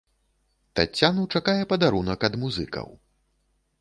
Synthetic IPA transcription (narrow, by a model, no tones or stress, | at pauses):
t̪a̰t͡sʲːanuwt͡ʂakajɛpɐd̪aɾunɐkɐd̪muzɨ̰kɐ̰w